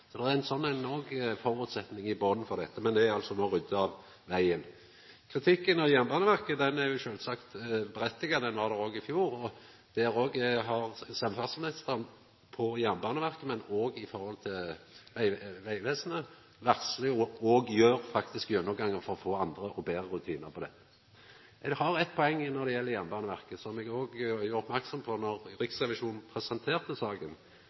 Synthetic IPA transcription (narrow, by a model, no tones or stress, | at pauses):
sɔd̪ɛææɪnsɔnːæɪnɔːɡfɔʁʉːt̪sɛt̪nɪŋɪboːd̪n̩fɔʁd̪ɛt̪ːəmɛnd̪ɛɑlsɔnoːɾʏd̪ːəɑʋ | ʋæɪən | kʰʁɪt̪ʰɪkːənɔjæmbɑːnəʋæʁkəd̪ɛnæʁjʊʃøːlsɑkt̪bɛɾɛt̪ːɪɡɑd̪ɛnʋɑʁd̪ɛʁoːɡɪfjuːɾɔ | d̪̥ɛæɾoːɡɦɑʁsɛmfɑt̪smɪnɪst̪əʁən | pʰɔjæmbɑːnəʋæʁkəmɛnoːɡɪfɔɾhɔlt̪ʰɪlʋæɪʋæɪʋeːsnə | ʋæʁslɪɔɔːɡjøːʁfɑkt̪ɪskjœnːɔɡɑŋːəʁfɔɾɔfoːɑnd̪ʁəʔɔbeːʁəʁʉt̪ʰiːnəʁpʰɔd̪ɛtː | ɛhɑʁɛt̪̚ːpʰɔɛŋːnɔd̪ɛjɛlːəjɛmbɑːnəʋæʁkəsɔmɛɡoːɡjʉʁɔpmæʁksɔmpʰɔnɔʁɾɪksʁɛʋɪʃuːnn̩pʰɾɛsənt̪ʰeːʁt̪əsɑːɡən